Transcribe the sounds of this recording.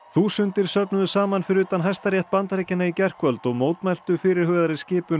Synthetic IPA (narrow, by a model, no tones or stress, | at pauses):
θusʏnt̪ɪɾ̥sœpnʏðʏsaːmanfɪɾɪʏːt̪anɦajst̪aɾjɛht̪̚pant̪ɾejcɪnaicɛr̥kvœlt̪ɔɣmoːwt̪majl̥t̪ʏfɪɾɪɾ̥hœːðaɾɪscɪːpʏ